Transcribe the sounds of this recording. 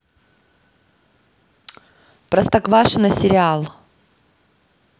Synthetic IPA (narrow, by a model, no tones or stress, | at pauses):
pɾɐst̪ɐkvaʂɨnɐsʲɪɾʲɪalˠ